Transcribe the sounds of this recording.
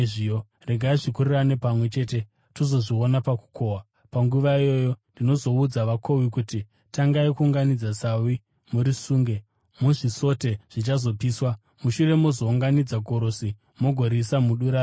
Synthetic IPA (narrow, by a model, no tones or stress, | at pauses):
ʐio | re̞ɡʱaiʐikuriranepamwe̞t͡ʃe̞ːte̞ | tozo̞ʐionapaku̥kʰoːwa | paŋɡuʋaijo̞jo̞ndino̞zo̞ud͡zaʋakʰo̞wikuti | taŋɡaikuːŋɡanid͡zasawi | muɾisuːŋɡe̞ | muʐiso̞te̞ʐ̥it͡ʃazo̞piːswa | muʃure̞mozo̞uŋɡanid͡zaɡʱo̞ɾosi | moɡʱo̞ɾisamuɗuɾa